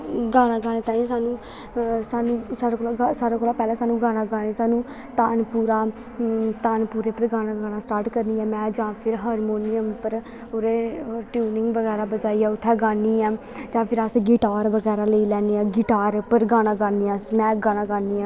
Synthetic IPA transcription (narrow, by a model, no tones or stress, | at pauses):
ɡaːñãːɡaːɽ̃eːt̪ãːĩsaːnũː | saːnũːsaːɾaːkoːlaɡasaːɾaːkoːlaːpɛːlãːsaːnũːɡaːɽ̃aːɡaːnesaːnũː | t̪aːnpuːɾaː | t̪aːnpuːɾeːpəɾɡaːɽãːɡaːñãːsʈaːɾʈkəɾniːãːmɛ̃ːd͡ʒãːpʰɪɾɦaːɾmoːnɪjəmpəɾ | oːɾeːʈjuːnɪŋɡʋəɡɛːɾaːbəd͡ʒaːiːaːʊt̪ʰːɛːɡaːniːãː | d͡ʒãːpʰɪɾəsɡiːʈaːɾʋəɡɛːɾaːləiːlɛːniãːɡɪʈaːɾpəɾɡaːɽ̃ãːɡaːniːãːmɛ̃ːɡaːɽ̃ãːɡaːniːãː